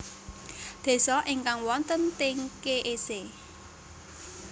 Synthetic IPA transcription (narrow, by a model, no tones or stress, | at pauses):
d̪̥e̤sɔʔɪŋkaŋwɔnt̪ənt̪ɪŋkeʔese